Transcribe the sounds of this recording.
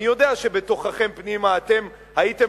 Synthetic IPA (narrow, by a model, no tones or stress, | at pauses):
ijo̞deaʃe̞be̞to̞χaχe̞mpnimaːte̞m | haite̞